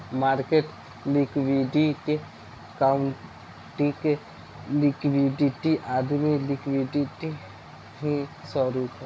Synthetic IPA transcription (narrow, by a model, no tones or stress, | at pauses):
maːɾkeʈ | likwiɖike | kaʊɳ | ʈik | lɪkwiɖiʈiʔaːd̪milɪkʋiɖiʈi | ɦĩsɔɾuːk